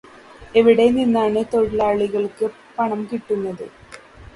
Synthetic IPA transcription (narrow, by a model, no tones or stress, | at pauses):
e̞ʋiɽe̞ninːaːɳɨt̪o̞ɻɐlaːɭiɣɐɭkɨ | pɐɳɐmkiʈːunːɐðɨ